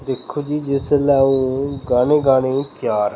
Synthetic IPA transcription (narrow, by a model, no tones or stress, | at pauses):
d̪ɪkʰːoːd͡ʒiːd͡ʒɪslɛːũːɡaːneːɡaːneːpjaːɾ